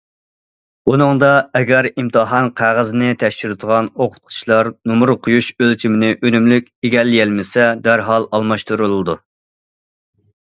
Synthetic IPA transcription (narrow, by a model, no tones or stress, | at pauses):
unɨŋd̪ɑɛɡʲɛɾimt̪ʰɨɦɑnqʰæʁəznɪt̪ʰɛʃt͡ʃyɾɨt̪ʰəʁɑnoqʰʊ̥t̪̚qʰʊ̥t͡ʃlˠɑɾnumʊɾqʰʊjuʃølt͡ʃʰimɪnɪʔønymlykʲeɡʲɛlːɪjɛlmɪsɛd̪æɾɦɑlˠɑlˠmɑʃt̪uɾulˠɨd̪u